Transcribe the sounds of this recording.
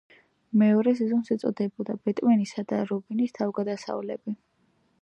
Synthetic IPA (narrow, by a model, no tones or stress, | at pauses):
mɛɔɾɛsɛzɔmsɛt̪sʼɔ̰d̪ɛbɔd̪abɛt̪ʼmɛnisad̪aɾɔbinist̪ʰavɡad̪asa̰vlɛbi